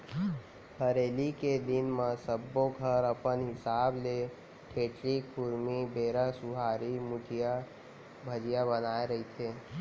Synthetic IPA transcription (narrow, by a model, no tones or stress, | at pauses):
hʰəɾeːliked̪ɪnmãsəbːoɡʱəɾəpənɦɪsaːble | ʈʰeːʈɾikkʊɾmibeːɾasʊɦaːɾimʊʈ̪ʰija | bʱəd͡ʒijabənaːeɾɐɦit̪ʰeː